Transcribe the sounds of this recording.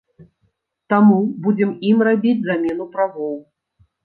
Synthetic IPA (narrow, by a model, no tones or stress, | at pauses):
t̪amubud͡zʲɛmimrabʲid͡zʲzamʲɛnupɾavɔw